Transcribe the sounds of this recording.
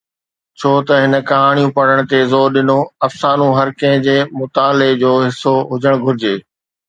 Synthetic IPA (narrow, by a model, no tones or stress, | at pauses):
t͡ɕʰoːt̪ɐɦɪnə̆kɐɦaːɽ̃ijũpɐɽ̤əɽ̃t̪ezoːɾɗɪnoɐfsaːnũɦɐɾkɐ̃ɦɪ̃d͡ʑeːmʊt̪aːled͡ʑoːɦɪsoɦʊd͡ʑəɽ̃ɡʱʊɾɪd͡ʑeː